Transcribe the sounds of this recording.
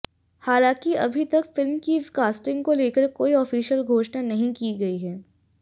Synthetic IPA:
haːlãːkiɐbʱit̪ɐkfɪlmkikaːsʈɪ̃ŋɡkoleːkəɾkoːiɔːfiːʃəlɡʱoːʃnanɐɦĩkiɡɐiɦɛː

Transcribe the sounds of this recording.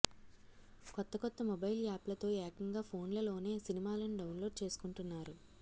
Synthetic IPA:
kɔt̪ːɐkɔt̪ːɐmɔbɐjlaːplɐt̪o̞ːɛːɐkɐŋɡaːpʰo̞ːnlɐlo̞ːne̞ːsinimaːlɐniɖɐwnlo̞ːɖ̚t͡ʃe̞ːsu̥kuɳʈunːaːɾu

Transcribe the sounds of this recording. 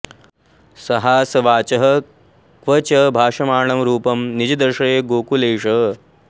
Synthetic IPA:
sɐɦaːsɐʋaːt͡ʃɐɦɐ | kʋɐt͡ʃɐbʱaːʂɐmaːɳɐmɾuːpɐmnid͡ʒɐd̪ɐɾʂɐɾeːɡoːkuleːʂɐ

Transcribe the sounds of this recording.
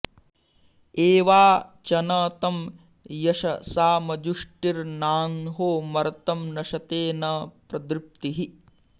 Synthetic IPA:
eːʋaːt͡ʃɐnɐːt̪ɐm | jɐʃɐsaːmɐd͡ʒuʂʈiɾnaːnɦoːmɐɾɐt̪ɐmnɐʃɐt̪eːnɐpɾɐd̪ɾip̚t̪iɦi

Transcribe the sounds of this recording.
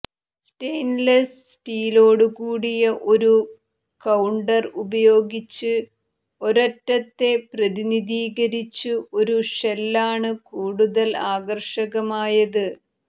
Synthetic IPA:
sʈejnlɐssʈiːlo̞ːɽuɣuːɽijɐʔo̞ɾu | kɐwɳɖɐrubɐjo̞ːɡit͡ɕːɨ | o̞ɾɐʈːɐt̪ːe̞prɐðiniðiːɣɐɾit͡ɕːuʔo̞ɾuʂelːaːɳɨkuːɽuðɐlaːɡɐrʂɐɣɐmaːjɐðɨ

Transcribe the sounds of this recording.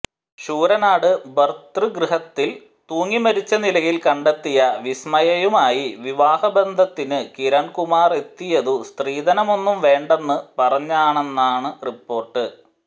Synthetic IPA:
ɕuːɾɐnaːɽɨbɐrt̪rɨɡrɨɦɐt̪ːil | t̪uːŋːimɐɾit͡ɕːɐnilɐjilkɐɳɖet̪ːijɐʋismɐjɐjumaːjiʋiʋaːhɐbe̞nd̪ʱɐt̪ːinɨkiɾɐɳkumaːre̞t̪ːijɐðust̪riːd̪ɐnɐmo̞nːumʋe̞ːɳɖe̞nːɨpɐrɐɲːaːɳe̞nːaːɳɨripːo̞ːrʈːɨ

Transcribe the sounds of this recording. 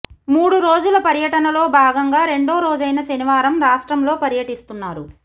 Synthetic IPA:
muːɽuɾoːd͡ʒulɐpɐɾjɐʈɐnɐlo̞ːbʱaːɡɐŋɡaːɾe̞ɳɖo̞ːɾoːd͡ʒɐjnɐʃɐniʋaːɾɐmɾaːʂʈɾɐmlo̞ːpɐɾjɐʈist̪unːaːɾu

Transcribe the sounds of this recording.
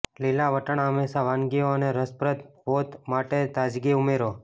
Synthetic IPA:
lilaʋəʈəɳamesaʋanɡioəneɾəspɾət̪bot̪maʈet̪ad͡ʒɡiumeɾo

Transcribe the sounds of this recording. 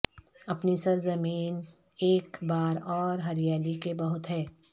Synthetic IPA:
ɐpnisɐɾzɐmiːn | eːkbaːɾɔːɾɦɐɾijaːlikebɐɦʊt̪ɦɛː

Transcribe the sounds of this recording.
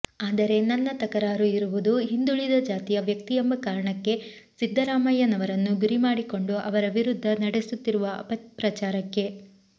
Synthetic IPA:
aːd̪ɐɾe̞nɐnːɐt̪ɐkɐɾaːɾuiɾuʋud̪uɦind̪uɭid̪ɐd͡ʒaːt̪ijɐʋjɐk̚t̪ijembɐkaːɾɐɳɐkːe̞ | sid̪ʱːɐɾaːmɐjɐnɐʋɐɾɐnːuɡuɾimaːɽiko̞ɳɖuʔɐʋɐɾɐʋiɾud̪ʱːɐnɐɽesut̪ːiɾuʋɐɐ̰pɐpɾɐt͡ʃaːɾɐkːe̞

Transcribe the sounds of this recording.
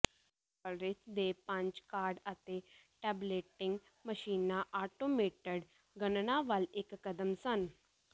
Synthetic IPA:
əɾɪt̪d̪eːpə̃ɲt͡ʃkaːɾɖət̪eːʈɛːbleːʈɪ̃ŋɡ | məʃiːnaːʔaːʈoːmeːʈəɖ | ɡənnãːʋəlɪkːəd̪əmsən

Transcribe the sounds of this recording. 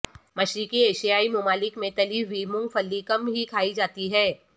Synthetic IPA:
mɐʃɾɪkieːʃijaːimʊmaːlɪkmẽt̪ɐliːʋiːmʊ̃ŋɡfɐlːikɐmɦikʰaːid͡ʒaːt̪iɦɛː

